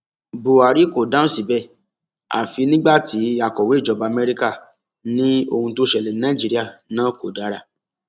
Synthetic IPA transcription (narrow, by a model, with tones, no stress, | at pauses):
bo˨a˨ɾi˨˦ko˨dã˦ũ˦si˨bɛ˦˨ | a̰˨fi˧˦nĩ˦ɡ͡ba˦˨ti˨˦a˨kɔ˨we˨˦˨d͡ʒɔ˨˧ba˧mɛ˧ɾi˦ka˦˨ | nĩ˦o˧hũ˧to˦ʃɛ˨lɛ˨˦nã˦i˨d͡ʒi˦ɾi˦a˦˨nãː˨˦ko˨da˨˦ɾa˨